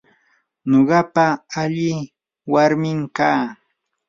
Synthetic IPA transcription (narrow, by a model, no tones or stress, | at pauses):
noɢɑpaːʎɪ | waɾmɪmkaː